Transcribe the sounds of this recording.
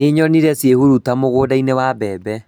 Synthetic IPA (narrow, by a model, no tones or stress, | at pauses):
eɲɔniɾɛsjehuɾutamoɣoːdainewabɛbɛ